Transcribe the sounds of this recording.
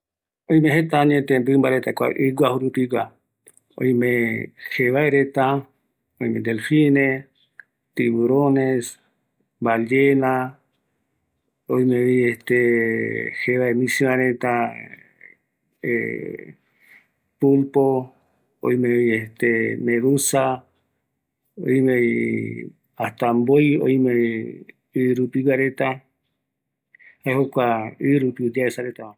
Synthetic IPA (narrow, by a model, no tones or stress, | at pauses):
ojmẽɦet̪aɲẽt̪embɨmbaɾet̪akʷa̰ʔɨɡʷahuɾupiɡʷa | o̰jmẽheβaeɾet̪a | ojmed̪elfine | t̪iβuɾones | balena | ojmẽieht̪e | heβaemĩsiãɾet̪a | ḛ | pumpo | o̰ĩmẽβiet̪emẽɾusa | o̰jmẽi | aht̪ambojo̰jmẽ | ɨɾupiwaɾet̪a | haehokʷaɨɾupiud͡ʒaesaɾet̪aa